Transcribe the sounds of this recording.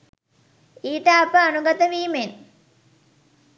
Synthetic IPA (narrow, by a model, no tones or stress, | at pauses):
iːʈəɐpəanuɡɐt̪əʋiːmen